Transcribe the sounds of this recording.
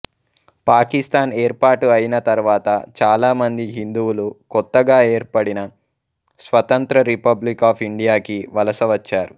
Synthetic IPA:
paːkist̪aːneːɾpaːʈuɐjinɐt̪ɐɾuʋaːt̪ɐt͡ʃaːlaːmɐnd̪iɦind̪uwulukɔt̪ːɐɡaːe̞ːɾpɐɽinɐ | sʋɐt̪ɐnt̪ɾɐɾipɐblikaːpʰiɳɖijaːkiʋɐlɐsɐʋɐt͡ʃːaːɾu

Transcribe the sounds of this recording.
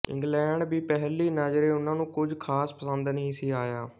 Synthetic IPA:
ɪ̰̃ŋɡlɛ̃ːɳɖbiːpɛɦliːnaːd͡ʒɾeːʊnãːnũːkʊd͡ʒkʰaːspəsənd̪nəɦĩːsiːaːjaː

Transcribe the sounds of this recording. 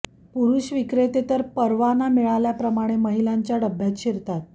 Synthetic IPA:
puɾuɕʋikɾet̪et̪əɾpəɾʋanamiɭaljapɾəmaɽ̃eməɦilaɲt͡ɕjaɽəbʱːjat̪ɕiɾt̪at̪̚

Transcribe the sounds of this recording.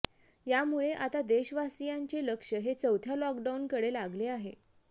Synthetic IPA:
jamuɭeʔat̪ad̪eɕʋasijaɲt͡ɕeləkʂəɦet͡səwt̪ʰjalɔk̚ɖaunkəɽelaɡleaɦe

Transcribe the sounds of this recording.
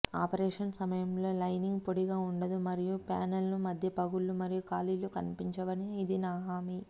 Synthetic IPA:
aːpɐɾeːʂɐnsɐmɐjɐmlo̞ːlɐjniŋɡpoɽiɡaːuɳɖɐd̪umɐɾijupaːnɐlnumɐd̪ʱjɐpɐɡulumɐɾijukaːlilukɐnipiɲt͡ʃɐʋɐniːd̪inaːɦaːmi

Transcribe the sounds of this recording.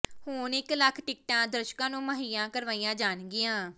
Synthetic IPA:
hʊːnɪkləkʰʈɪk̚ʈãːd̪əɾʃkãːnũːməɦiːãːkəɾʋaːiːãːd͡ʒaːnɡɪjãː

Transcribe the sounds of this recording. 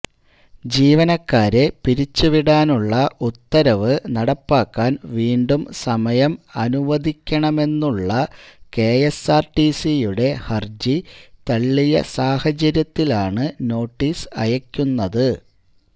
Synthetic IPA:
d͡ʑiːʋɐnɐkːaːɾe̞piɾit͡ɕːuʋiɽaːnuɭːɐʔut̪ːɐɾɐʋɨnɐɽɐpːaːkːaːnʋiːɳɖumsɐmɐjɐmɐnuʋɐd̪ʱikʲːɐɳɐme̞nːuɭːɐke̞ːjesaːrʈisijuɽe̞hɐrd͡ʑit̪ɐɭːijɐ̰saːhɐt͡ɕɐɾjɐt̪ːilaːɳɨno̞ːʈːiːsɐ̰jɐkʲːunːɐðɨ

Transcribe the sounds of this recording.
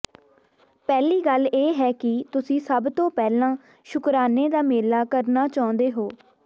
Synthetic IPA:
pɛːliːɡəlːeːɦɛːkɪt̪ʊsĩːsəbt̪õːpɛːlãː | ʃʊkɾaːneːd̪aːmeːlaːkəɾnaːt͡ʃaːʊ̃nd̪eːɦoː

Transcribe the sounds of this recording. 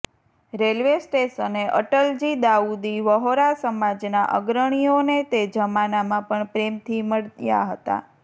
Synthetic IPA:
ɾelʋesʈesəneʔə̰ʈəld͡ʒid̪aud̪iʋəɦoɾasəmad͡ʒnaʔə̰ɡɾəɽ̃ionet̪ed͡ʒəmanamãpəɳpɾemt̪ʰiməɽja̰ɦət̪a̰

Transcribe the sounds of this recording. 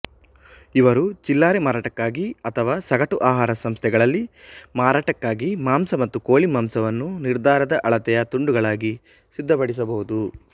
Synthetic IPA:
iʋɐɾud͡ʒilːaːɾemaːɾaːʈɐkːaːɡiɐt̪ʰɐʋaːsɐɡɐʈuʔaːɦaːɾɐsɐmst̪ʰɛɡɐɭɐlːimaːɾaːʈɐkːaːɡimaːmsɐmɐt̪ːukoːɭimaːmsɐʋɐnːuniɾd̪ʱaːɾɐd̪ɐʔɐɭɐt̪ɛjɐt̪uɳɖuɡɐɭaːɡi | sid̪ʱːɐpɐɽis̬ɐbɐɦud̪u

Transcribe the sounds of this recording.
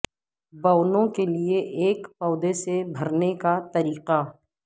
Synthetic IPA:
bɐːnõkelieʔeːkpɔːd̪esebʱɐɾnekat̪ɐɾiːqa

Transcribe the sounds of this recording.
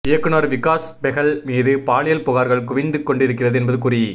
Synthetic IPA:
eɐkːɯnoɾʋɪkːaːsbɛɣɐɭmiːðɯpaːɭɪjɐlpʊɣaːɾɣɐɭkʊʋɪnd̪ɯkːɔɳɖɪɾɯk̬ːɪrɐðɯɛnbɐðɯkʊri

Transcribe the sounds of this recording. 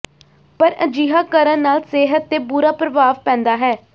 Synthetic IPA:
pəɾəd͡ʒiːɦaːkəɾənnaːlseːɦət̪ːeːbuːɾaːpɾəʋaːʋpɛ̃ːnd̪aːɦɛː

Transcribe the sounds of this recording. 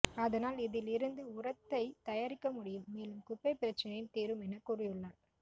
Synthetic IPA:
ɐðɐnaːlɪðɪlɪɾɯnd̪ɯʊrɐt̪ːɐɪt̪ɐjaːɾɪkːɐmʊɽɪjɯmːeːlɯmkʊpːɐɪpɪɾɐt͡ʃːɐnɐjɯnt̪iːɾɯmɛnɐkuːrɪjɯɭːaːn

